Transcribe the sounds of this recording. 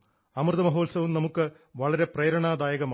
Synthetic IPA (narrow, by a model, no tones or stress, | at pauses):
ɐmrd̪ɐmɐɦoːlsɐʋumnɐmukːɨ | ʋɐɭɐɾe̞preːɾɐɳaːd̪aːjɐɣɐmː